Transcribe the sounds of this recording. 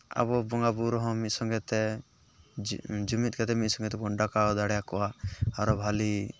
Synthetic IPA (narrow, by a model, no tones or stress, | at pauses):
a̰bɔbɔŋɡabuɾɔɦɔ̃mit̪sɔŋɡɛt̪ɛ | d͡ʒumit̪̚ˀkat̪ɛmit̪̚sɔ̃ŋɡɛt̪ɛbɔɳɖakaɔd̪aɽɛjakɔwaaɾɔbʱali